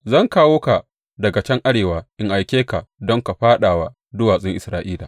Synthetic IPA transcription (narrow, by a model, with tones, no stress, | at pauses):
zɐ˦˨ŋkaː˦woː˦ka˨ | dɐ˨ɡa˨t͡ʃɐ˦ŋʔa˦ɽeː˨waː˨ʔɪ˨ŋʔa˨jkʲeː˦ka˨dɔ˦ŋka˨ɸaː˦ɗaː˨wa˦ | dʊ˦waː˨sʼɪ˦ŋʔɪ˨sɾaː˦ʔiː˦laː˨